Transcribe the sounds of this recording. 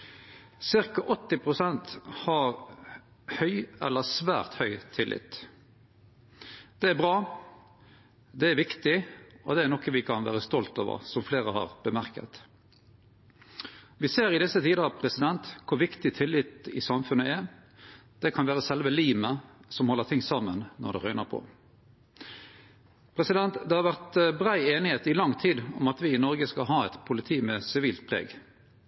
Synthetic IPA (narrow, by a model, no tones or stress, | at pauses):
sɪʁkɑʔɔt̪ːɪpʰʁʊsɛnt̪hɑɾ | hœʏɛ̰lːəsʋæ̰ːɾt̪hœʏt̪ʰɪlʔɪ̰t̪ | d̪̥ɛæɾbʁɑː | d̪ɛæɾʋɪkt̪ɪɔd̪ɛæɾnɔkːəʋɪkʰɑnʋæ̰ːɾəst̪ɔlt̪o̰ːʋə̰ɾsɔmfleːɾəhɑ̰ːʁbəmæʁkə̰t̪ | ʋɪseːɾɪd̪ɪsət̪ʰiːd̪əʁɑpʰʁɛsɪd̪ɛnt̪kʰʊʋɪkt̪ɪt̪ʰɪlːɪt̪ɪ̰sɑmfʉnəæ | d̪̥ɛkʰɑnʋæːʁəsɛlʋəliːməsɔmhɔlːəʁt̪ʰɪŋːsɑmːənnɔ̰ʁd̪ɛʁœʏnəʁpʰɔ̰ | pʰʁɛsɪd̪ɛnt̪d̪ɛhɑʁʋæʁt̪bʁæɪeːnɪheːt̪ɪlɑŋːt̪ʰiːd̪ɔmɑt̪ʋɪɪnɔɾɡəskɑɦɑːɛt̪pʰʊlɪt̪ʰiːmɛsɪʋiːlt̪̚pʰʁɛ̰ːɡ